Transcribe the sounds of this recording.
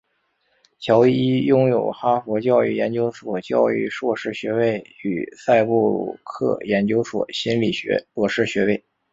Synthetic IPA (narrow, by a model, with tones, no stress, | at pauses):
t͡ɕʰjɑ˧˥ʊi˥jʊ˥ŋjo˨˩ʊxa˥fwɔ˧˥t͡ɕjɑ˥˧ʊy˥˩jɛ˧˥nt͡ɕjo˥ʊʂwɔ˨˩t͡ɕjɑ˥˧ʊy̰˥˧ʂwɔ˥˧˩ʂɻ̩˥˩ɕɥɛ˧˥we˥˩ɪy̰˨˩sa˥˧ɪpu˥˩lṵ˨˩kʰɤ̰˥˩jɛ˧˥nt͡ɕjo˥ʊʂwɔ̰˨˩ɕi˥nli˨˩ɕɥɛ̰˧˥wɔ˥˩ʂɻ̩˥˩ɕɥɛ˧˥we˥˩ɪ